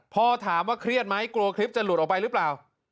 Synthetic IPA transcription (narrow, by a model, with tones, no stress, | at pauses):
pʰɔː˧t̪ʰaː˩˦mwaː˥˩kʰɾi˥˩ət̪̚ma˦˥jkluː˧kʰli˦˥p̚t͡ɕa˨˩lu˨˩t̪̚ʔɔ˨˩pa˧jɾɯː˦˥plaː˨˩w